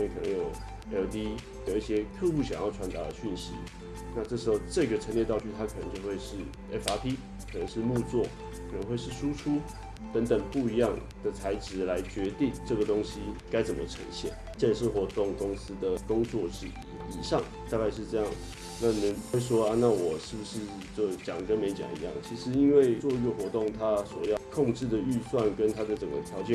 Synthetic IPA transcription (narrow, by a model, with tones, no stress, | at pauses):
we˥˩kʰə˨˩nə̰˧˦ŋjo˨˩ʊ˧˥ | o˨˩t̪i˥ | jji˥˩ɕjɛ˥t̪ʰɤ˥˧xu˥˩ɕjɑ˨˩ŋjɑ˥˩ʊʈ͡ʂʰwa˧˥nt̪a̰˧˥d̪ə˨ɕy˥˩nɕḭ˧˥ | na˥˧ʈ͡ʂɤ˥˩ʂɻ̩˧˥xo˥˧ʊʈ͡ʂɤ˥˩˧ɡə˩ʈ͡ʂʰə˧˥nljɛ˥˧t̪ɑ˥˧ʊt͡ɕʰy˥˧t̪ʰa˥kʰnə˧˦ŋt͡ɕjo˥˧ʊxwe˥˧ɪʂɻ̩˥˩ | e˥fa˥pʰi˥ | kʰə˨˩nə˧˥ŋʂɻ̩˥˧mu˥˧t͡swɔ˥˩ | kʰnə˧˦ŋxwe˥˧ɪʂɻ̩˥˩ʂu˥ʈ͡ʂʰu˥ | t̪ə˧˥ŋt̪ə˨˩ŋpu˥˩i˧˥jɑ˥˩ŋ | d̪̥ə˩t͡sʰa˧˥ɪʈ͡ʂɻ̩˨˩la˧˥ɪt͡ɕɥɛ˧˥t̪i˥˧ŋʈ͡ʂɤ˥˩ɡə˩t̪ʊ˥ŋɕi˥ka˥ɪt͡sə˨˩nmʔə̰˦ʈ͡ʂʰə̰˧˥ŋɕjɛ̰˨˩n | t͡ɕə˥˧ʂɻ̩˥˩xwɔ˧˥t̪ʊ˥˩ŋkʊ˥ŋsɹ̩˥d̪ə˨kʊ˥ŋt͡swɔ˥˧ʂɻ̩˥˩˧ | i˨˩ʂɑ˥˩ŋ | t̪a˥˧ka˥˧ɪʂɻ̩˥˧ʈ͡ʂɤ˥˧jɑ˥˩ŋ˩ | na˥˩˨nə˧˥n˧we˥˩ɪʂ̬wɔ˥a˥˧na˥˩wɔ˨˩ʂɻ̩˥˩bu˩ʂɻ̩˥˧ | t͡ɕjo˥˩ʊt͡ɕjɑ˨˩ŋkə˥nme˧ɪt͡ɕjɑ̰˨˩ŋḭ˧˥jɑ̰˥˩ŋt͡ɕʰi˧˥ʂɻ̩˧˥i˥nwe˥˩ɪt͡swɔ˥˧i˧˥ɡə˨xwɔ˧˥t̪ʊ˥˩ŋt̪ʰa˥swɔ˨˩jɑ˥˩ʊkʰʊ˥˧ŋʈ͡ʂɻ̩˥˩d̪ə˩y˥˧swa˥˨nkə˦˥nt̪ʰa˥d̪ə˨ʈ͡ʂə˨˩ŋɡə̰˦t̪ʰjɑ˧˥ʊt͡ɕɛ˨